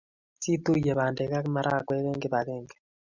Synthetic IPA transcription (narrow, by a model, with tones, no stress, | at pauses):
si˦tu˦je˨βa˨nde˨ka˦kma˦ɾa˦˨kwɛ˦ɣɛ˦ŋɡe˦βa˨ɣeː˦ŋɡe̥˨